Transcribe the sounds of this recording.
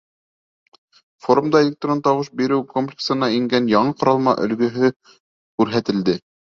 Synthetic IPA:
fo̞ɾumd̪ɑelʲek̚t̪ront̪ɑwɤʃbiɾɘwkomplʲɪksɤ̆nɑiŋɡænjɑɴɤqŏɾɑlˠmɑ̰ʔɵ̰̆lɡɵ̆ɦɵ | kʉɾɦæt̪ɘ̆ld̪ɘ

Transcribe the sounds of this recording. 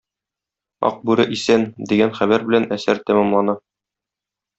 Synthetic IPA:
ɒ̰q̚bʉɾɘʔisænd̪iɡænχæβæɾbɘ̆lænæsæɾt̪æmæmlˠɑnɑ

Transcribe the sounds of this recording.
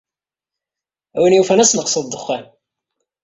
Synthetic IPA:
æwinjufænæsnəqsˤəðd̪ːəχːæn

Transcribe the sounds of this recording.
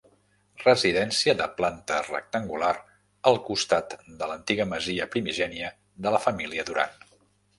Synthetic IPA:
rəziðɛnsiəðəplant̪ərə̰k̚t̪əŋɡular | əlˠkust̪at̪d̪ələnt̪iɣəməziəpɾimiʒɛniə | ðələfəmiliəðuɾa̰n

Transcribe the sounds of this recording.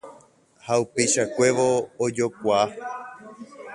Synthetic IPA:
haupejʃakʷe̞ʋoːd͡ʒo̞kʷaː

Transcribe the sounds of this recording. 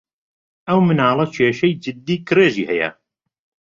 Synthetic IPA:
ʔɐwmɨnɑːlˠɐt͡ʃʰeːʃɐjd͡ʒɨd̪ːiːkʰɨɾeːʒḭːhɛjɐ̰

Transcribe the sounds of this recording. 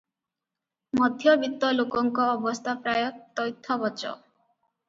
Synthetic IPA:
mɔd̪ʱjɔbit̪ːɔlokɔŋkɔːbɔst̪ʰapɾajɔt̪ɔjt̪ʰːɔbɔt͡ʃɔ̰

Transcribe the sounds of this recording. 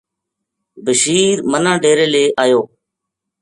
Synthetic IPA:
bəʃiːɾmənãːɖʱeːɾeːleːʔaːjoː

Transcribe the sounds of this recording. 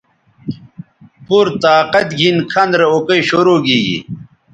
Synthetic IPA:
puɾt̪aːqɐt̪ɡʱinkʰɐnd̪ɾeokɐjɕoɾoːɡiːɡḭ

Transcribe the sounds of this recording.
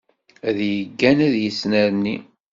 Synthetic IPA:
æðjəɡːænæðjəsnæɾnːi

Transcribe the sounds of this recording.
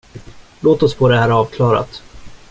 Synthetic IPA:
loːt̪ɔspʰɔd̪ɛhæːɾɑːvkʰlɑːɾa̰t̪

